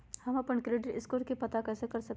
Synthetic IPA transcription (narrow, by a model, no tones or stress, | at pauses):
hɐmɐpəɳkɾeːɖɪʈɪskuːɾkipɐt̪akɛːsekɐɾsɐk̚